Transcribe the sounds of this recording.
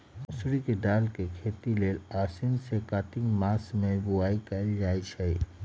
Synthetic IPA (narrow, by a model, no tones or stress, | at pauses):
ʊsɾikedaːlkekʰeːt̪ileːlaːsɪnsekaːt̪ɪ̃ŋɡmaːsmẽbʊaːikɐld͡ʒaːit͡ʃʰɛ